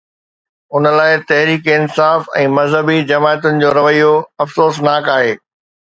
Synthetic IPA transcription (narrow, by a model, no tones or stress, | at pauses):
ʊnə̆laːɪt̪ɐɦɾiːkiɪnsaːfɛ̰̃ːmɐzɦəbid͡ʑɐmaːjət̪ʊnɪ̆d͡ʑoːɾɐʋəijoɐfsoːsnaːkaːɦeː